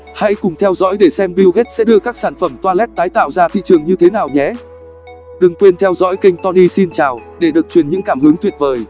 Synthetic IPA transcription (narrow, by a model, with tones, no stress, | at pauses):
ha̰˧˥jkʊ˨˩ŋ͡mt̪ʰɛ˧wzɔ̰ː˧˥jɗe˧˩sɛ˧mɓi˧wɣe˦˥t̚sɛ̰˧˥ɗɨ˧əkaː˦˥k̚saː˧˩nfə˧˩mt̪waː˧lɛ˦˥t̚t̪aː˨˦jt̪a̰ː˧˨wzaː˧t̪ʰḭ˧˨t͡ɕɨ˨˩əŋɲɨ˧t̪ʰe˨˦naː˨˩wɲɛ˨˦ | ɗɨ˨˩ŋkwe˧nt̪ʰɛ˧wzɔ̰˧˥jkï˧ŋ̟t̪ɔ˧ni˧si˧nt͡ɕaː˨˩wɗe˧˩ɗɨ˨˩ək̚t͡ɕwi˨˩ənɲɨ̰˧˥ŋkaː˧˩mhɨ˨˦əŋt̪wi˨˩ət̚vəː˨˩j